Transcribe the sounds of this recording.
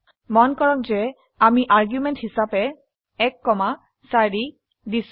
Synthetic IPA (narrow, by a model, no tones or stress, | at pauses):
mɔnkɔɹɔk̚zɛ | amiʔaɹɡjumɛnthisapɛ | ɛkːɔma | saɹi | dis